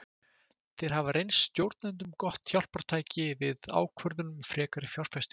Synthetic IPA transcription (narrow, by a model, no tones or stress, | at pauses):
θejɾ̥ɦavaɾejnsːt̪jowɾt̪nant̪̬ʏmkɔht̪θjawl̥paɾ̥t̪ʰaːjcɪvɪða̰ːwkʰvœɾðʏnʏmfɾɛːkaɾɪfjawr̥fɛst̪